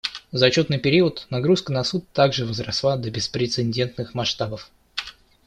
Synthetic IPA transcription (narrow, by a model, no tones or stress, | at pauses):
zɐt͡ɕo̞t̪nɨjpʲɪɾʲiʊt̪nɐɡɾuskənɐsut̪t̪aɡʐɨvəzrɐslˠad̪əbʲɪspɾʲɪt̪sɨnʲdʲe̞nt̪nɨxmɐʂt̪abəf